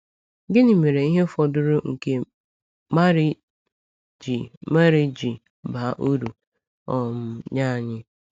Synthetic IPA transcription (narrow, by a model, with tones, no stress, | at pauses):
ɡɪ˦nɪ˨me˨ɾe˨i˦ɦe˦fɔ˨dʊ˦ɾʊ˦ŋ̩˨ke˦ | ma˦ɾɪ˦ | d͡ʒi˨ma˦ɾɪ˦d͡ʒi˨ | ba˨ʔu˦ɾu˨ | ɔ˨m̩˨˦ɲa˦˨ɲɪ˦